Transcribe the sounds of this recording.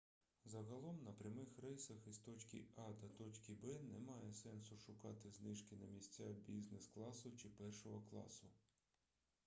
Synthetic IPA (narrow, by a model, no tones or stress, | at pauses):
zɐɦɐlˠɔmnɐpɾʲɐmɪxrɛjsɐxist̪ɔt͡ʃʲkʲḭɑd̪ɐt̪ɔt͡ʃʲkʲibɛnɛmɑjɛsɛnsʊʃʊkɑt̪ɪznɪʃkɪnɐmʲisʲt͡sʲabʲiznɪsklˠɑsʊt͡ʃɪpɛrʃɔɦɔklˠɑ̰sʊ